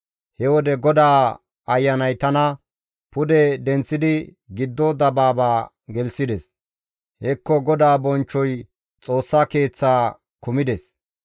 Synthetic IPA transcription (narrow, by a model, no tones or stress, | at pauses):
hɛwɔd̪ɛɡɔd̪aː | ɐjːɐnɐjt̪ɐnɐ | pʊd̪ɛd̪ɛnt͡sːɪd̪ɪ | ɡɪd̪ːɔd̪ɐbaːbaː | ɡɛlsɪd̪ɛs | hɛkːɔɡɔd̪aːbɔnt͡ʃːɔj | t͡sʼo̞ːsːake̞ːt͡sːaː | kʊmɪd̪ɛs